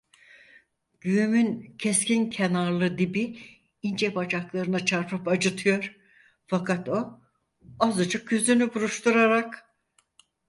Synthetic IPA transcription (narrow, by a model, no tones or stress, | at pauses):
ɟ̥yymyncʰescincʰenaɾlˠɯd̪ibi | ind͡ʒɛbad͡ʒaklˠaɾɯnat͡ʃʰaɾpʰɯpad͡ʒɯt̪ʰɯjo̞ɾ̥ | fakʰat̪o̞ | azɯd͡ʒɯk̚ɟøzynybuɾuʃt̪uɾaɾak